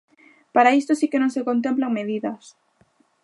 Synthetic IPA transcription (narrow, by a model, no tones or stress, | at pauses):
paɾaist̪osikenõŋsekont̪̬emplaŋmeðiðɐs